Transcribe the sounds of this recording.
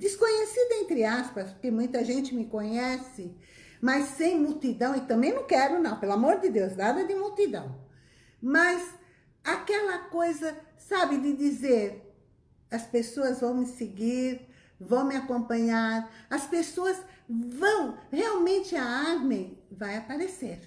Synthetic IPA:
d̪ɪskõɲesid̪ɐẽnt̪ɾɪaspɐskɪmũj̃t̪ɐʒẽnt͡ʃɪmɪkõɲɛsɪ | mɐsːẽj̃muwt̪id̪ɐ̃w̃ɪt̪ɐ̃mbẽj̃nɐ̃w̃kɛɾʊnɐ̃w̃pelamoɾd̪ɪd̪ewznad̪ɐd̪ɪmuwt̪id̪ɐ̰̃w̃ | mɐz | akɛlɐkojzɐ | sabɪd̪ɪd̪izeɾ | ɐspesoɐzvɐ̃w̃mɪsɪɡiɾ | vɐ̃w̃mɪakõpɐ̃ɲaɾɐspesoɐsvɐ̃w̃heawmẽnt̪ɪaaɾmẽj̃vajapaɾeseɾ

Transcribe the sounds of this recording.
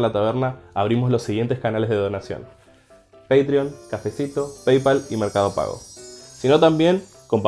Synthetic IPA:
lat̪aβeɾnaːβɾimo̞zlo̞sːiɣje̞nt̪eskanalezðeð̞o̞nasjo̰n | pejt̪ɾio̞ŋkafe̞sit̪o̞pejpalimeɾkað̞opa̰ɣo̰sinot̪ambje̞ŋ | ko̞mp

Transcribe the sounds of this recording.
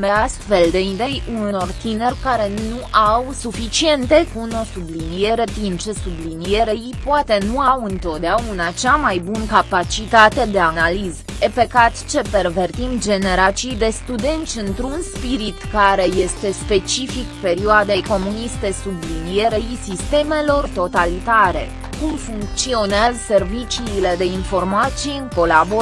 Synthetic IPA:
meast̪fe̞ld̪e̞inve̞juno̞rt̪ine̞rʲkaɾe̞nuʔawsufit͡ʃie̞nt̪e̞kuno̞sublinije̞ɾe̞t̪int͡ʃe̞sublinije̞ɾeipoat̪e̞nuawɨnt̪o̞t̪d̪eaunat͡ʃamajbunkapat͡ʃit̪at̪e̞d̪e̞analiz | epe̞kat̪t͡ʃe̞pe̞rve̞rt̪ind̪d͡ʒe̞ne̞ɾat͡ʃijd̪e̞st̪ud̪e̞nt̪sʲɨnt̪ɾunspiɾit̪kaɾe̞je̞st̪e̞spe̞t͡ʃifikpe̞ɾioad̪ejko̞munist̪e̞sublinije̞ɾeisist̪e̞me̞lo̞rt̪o̞t̪alit̪aɾe̞̰ | kumfuŋk̚t̪sio̞nazse̞rvit͡ʃiːle̞d̪e̞info̞rmat̪sijɨŋko̞labo

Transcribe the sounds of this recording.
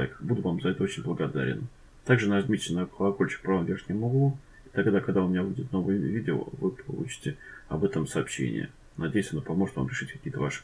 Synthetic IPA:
jkbud̪ʊvamzɐɛt̪əo̞t͡ɕɪnʲblˠəɡɐd̪a̰ɾʲɪ̰n | t̪aɡʐɨnaʐd̪mʲit̪ʲɪnakəlˠɐkolʲt͡ɕɪ̥k̚pɾɐvamvʲerʲnʲɪmɐɡˠu | it̪ɐɡd̪akɐɡd̪aʊmʲɪnʲabudʲɪt̪̚no̞vɨjəvʲidʲɪo̰vɨpʰɐlˠṵt͡ɕɪ̥tʲɪɐ̰bɛt̪əmsɐːpɕḛnʲɪ̰jə̰ | nɐdʲejʊsʲɐnopɐmo̞ʐɨt̪va̰mɾʲɪʂɨtʲkɐ̥kʲijət̪ə̰va̰ʂɨ̥

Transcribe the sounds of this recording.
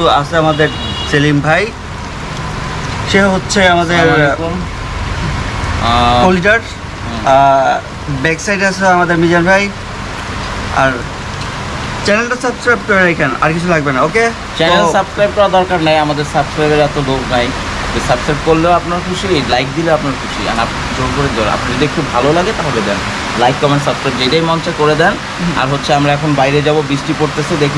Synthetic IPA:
ua̰sʰeamad̪eɾ | selimbʱaj | ʃeɦoɦotːɕʰeamad̪eɾ | koliʈaʈ | a | bɛksajɖasʰeamad̪eɾmid͡ʑanbʱaj | a̰ɾ | t͡ɕɛnelʈasabskɾajb̚koɾeɾejkʰana̰ɾkit͡ɕʰulaɡ̚benaoke | t͡ɕɛnelsabskɾajb̚kɔɾad̪ɔɾkaɾnajamad̪eɾsabskɾajbeɾɛt̪oloɡnaj | a̰d̪esabskɾajb̚koɾleoapnaɾkʰuʃilajk̚d̪ileoapnaɾkʰuʃḭa̰ɾap | d͡ʑoɾkoɾed̪oa̰pnd̪ed̪ekʰubbʱalolaɡet̪aɦɔbed̪ɛn | lajkːɔmensabskɾajbd͡ʑejʈajmɔnt͡ɕakoɾed̪ɛn | a̰ɾɦotːɕʰeamɾaɛkʰonbajɾed͡ʑabobisʈipoɾt̪esed̪ekʰi

